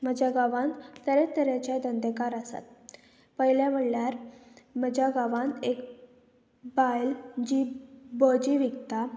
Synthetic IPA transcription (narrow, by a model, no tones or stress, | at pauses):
məd͡ʑaɡaʋãnt̪ːəɾet̪əɾat͡ɕad̪ənd̪əkaɾasa̰t̪̚ | pəɦiljam̤əɽljaɾməd͡ʑʱjaɡaʋãnt̪ek | bajld͡ʑibɔd͡ʑiʋiɡt̪a